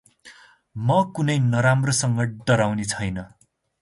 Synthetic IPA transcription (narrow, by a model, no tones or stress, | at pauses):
mʌkunʌjnʌɾamrʌsʌŋɡʌɖʌɾawnet͡sʰʌjnʌ